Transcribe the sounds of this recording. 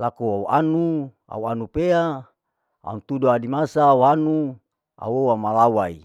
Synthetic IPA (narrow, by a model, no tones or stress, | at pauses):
lakoauʔanu | a̰uanupea | a̰unt̪udoadimasawanu | a̰wowamalawai